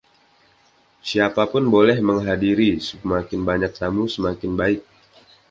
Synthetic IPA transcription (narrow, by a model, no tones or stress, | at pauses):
siapapʊnbolɛhməŋɦadiɾisəmakɪnbaɲak̚t̪amusəmakɪnbaɪk̚